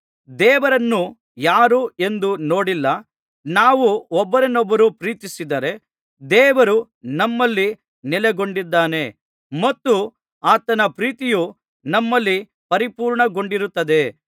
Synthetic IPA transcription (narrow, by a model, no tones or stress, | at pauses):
d̪ɛːʋɐɾɐnːu | jaːɾue̞nd̪uno̞ːɽilːɐ | naːʋuɔbːɐɾɐnɔbːɐɾupɾiːt̪isid̪ɐɾe̞ | d̪ɛːʋɐɾu | nɐmːɐlːi | nileɡo̞ɳɖid̪ːaːne̞ | mɐt̪ːu | aːt̪ɐnɐpɾiːt̪iju | nɐmːɐlːi | pɐɾipuːɾɳɐɡo̞ɳɖiɾut̪ːɐd̪e̞